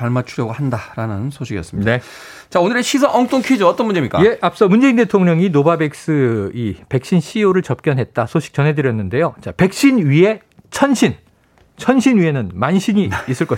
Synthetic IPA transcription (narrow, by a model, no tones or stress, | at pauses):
paɭmat͡ɕʰuɾjʌɡohandaɾanɯnsʰoɕʰiɡijʌ̰s͈ɯmɲide | t͡ɕaonɯɾeɕʰisʰʌʔʌŋt͈oŋkʰid͡ʑoʌt͈ʌnmund͡ʑemɲik͈aje̞ʔap̚s͈ʌmund͡ʑe̞inde̞tʰoŋɲʌŋinobabe̞k̚s͈ɯipe̞k̚ɕ͈inɕʰioɾɯɭt͡ɕʌp̚k͈jʌnɦe̞t̚t͈asʰoɕʰi̥k̚t͡ɕʌnɦe̞dɯɾjʌnːɯnde̞jot͡ɕape̞k̚ɕ͈inɥie̞ | t͡ɕʰʌnɕʰin | t͡ɕʰʌnɕʰinɥie̞nɯnmanɕʰiɲiːs͈ɯɭk͈ʌɕ